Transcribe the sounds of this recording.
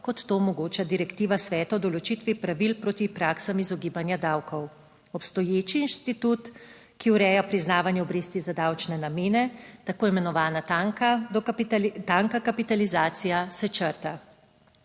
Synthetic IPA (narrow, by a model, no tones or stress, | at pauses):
kɔt̪ːoːmɔɡoːt͡ʃad̪iɾɛkt̪iːʋasʋɛːt̪aɔd̪ɔlɔt͡ʃit̪ʋipɾaʋilpɾoːt̪ipɾaːksamizɔɡiːbanjad̪awkʰɔw | ɔpst̪ɔjeːt͡ʃiːnʃt̪it̪ut̪ | kiuɾɛːjapɾiznaːʋanjɛɔbɾeːst̪izad̪awt͡ʃnɛnameːnɛt̪akoːimɛnɔʋaːnat̪aŋka | t̪aŋkakapit̪alizaːt̪sijasɛt͡ʃəɾt̪a